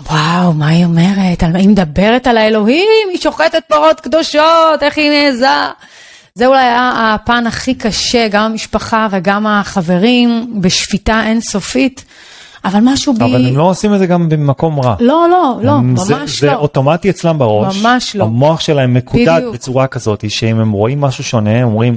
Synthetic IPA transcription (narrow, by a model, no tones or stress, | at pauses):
wawmaio̞me̞ʁetalimed̪abe̞ʁetalaelo̞ɦimiʃo̞χetet̚baʁot̪kd̪o̞ʃoteχineːza | zeulajaapanaχikaʃe̞ɡamamiʃpaχave̞ɡamaχave̞ʁimbeʃv̥itaʔe̞nso̞fit | avalmaʃubavalemloosimetzeɡambemako̞mʁalo̞lo̞lo̞mamazʃeoto̞matiet͡slambaʁo̞maʃmaʃloamoaχʃelaemːekubd̪at̪ubet͡suʁakazo̞t̪iʃeimemʁo̞ʔimːaʃuʃo̞ne̞momʁim